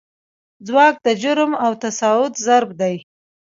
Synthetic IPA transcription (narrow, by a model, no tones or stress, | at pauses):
d͡zwɑk̚d̪əd͡ʒʊɾmawt̪asɑʊt̪zaɾbd̪aj